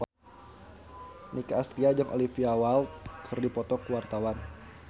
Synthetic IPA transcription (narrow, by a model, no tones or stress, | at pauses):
nikaːst̪ɾiad͡ʒaŋʔo̰lifiawalkʰɨrdipɔt̪ɔkəwart̪awan